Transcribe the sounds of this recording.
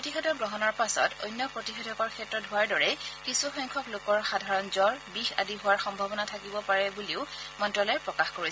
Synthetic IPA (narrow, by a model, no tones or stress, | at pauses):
pɹotixɔdɔtɡɹɔɦɔnɔɹpasɔ̰tʰo̰jnjɔpɹotixɔdʱɔkɔɹkʰɛtːɹɔtɦʊwaɹdɔɹɛkisuxɔŋkʰɔklokɔɹxadʱaɹɔnzɔɹbixa̰diɦʊwaɹxɔmbʱabɔnatʰakibɔpaɹɛbuliʊmɔntɹɔlɔjpɹɔkaxkoɹis